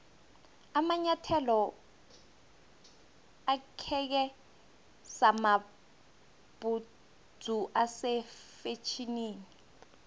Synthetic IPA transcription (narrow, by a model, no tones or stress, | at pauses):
amaɲatʰɛlɔ | akʰɛk̬ɛ | sama | b̥u | d͡zʱuʔasɛfet͡ʃʰiniːni